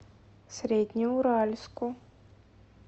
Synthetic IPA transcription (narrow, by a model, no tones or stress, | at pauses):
sɾʲed̪ʲnʲiuɾalʲskʊ